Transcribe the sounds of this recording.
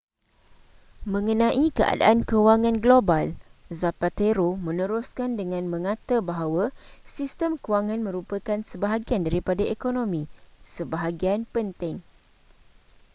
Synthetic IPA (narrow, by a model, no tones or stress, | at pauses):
mə̃ŋənãʔikəa̰da̰ʔankəwaŋãnɡlobalzapat̪eɾomə̃nə̃ɾuskandəŋãnmə̃ŋãt̪abaɦawasist̪əmkuwaŋãnmə̃ɾupakansəbaɦaɡiandaɾipadaekonõmĩsəbaɦaɡianpənt̪ɪŋ